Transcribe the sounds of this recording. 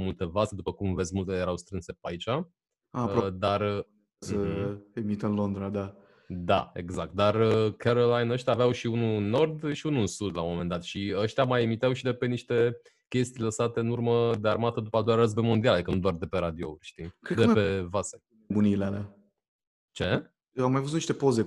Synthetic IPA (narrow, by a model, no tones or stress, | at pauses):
mult̪e̞vase̞d̪upəkumve̞zʲmult̪ejeɾawst̪ɾɨnse̞peait͡ʃa | ad̪ar | səemit̪əɨnlo̞nd̪ɾad̪a | d̪a̰e̞̰ɡzak̚t̪̚d̪arəkʰeɾolajnəʃt̪ʲjaveawʃiununo̞rd̪ʃiunusud̪lamo̞me̞nd̪at̪ʃiəʃt̪ʲamajemit̪eawʃid̪e̞pe̞niʃt̪e̞ | kʲe̞st̪ijləsat̪e̞ɨnurməd̪e̞armat̪əd̪upəad̪ojaɾəzbemo̞nd̪ialaeikənud̪oard̪e̞pe̞ɾad̪io̰ṵlʲʃt̪ikɾet̪dk̪eəpevase | bunileala | t͡ʃe̞ | amajvust̪niʃt̪epo̞ze